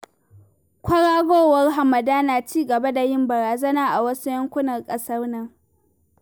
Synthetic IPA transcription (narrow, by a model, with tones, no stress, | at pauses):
kʷʰɐ˦ɽaː˦ɡʷoː˦˨wɐ˦rɦa˨mɐ˨daː˦naː˨t͡ʃiː˦ɡɐ˨ba˦da˨jɪ˦mbɐ˨ɾaː˨zɐ˦naː˦ʔa˨wɐ˦su˦jɐ˦ŋkʷʊ˦nɐ˨rkʼɐ˦sɐ˦rnɐ˦ŋ